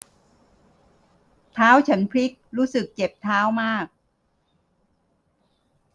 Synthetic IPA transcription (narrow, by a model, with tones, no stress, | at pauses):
t̪ʰaː˦˥wt͡ɕʰa˦˥npʰli˦˥k̚ɾuː˦˥sɯ˨˩k̚t͡ɕe˨˩p̚t̪ʰaː˦˥wmaː˥˩k̚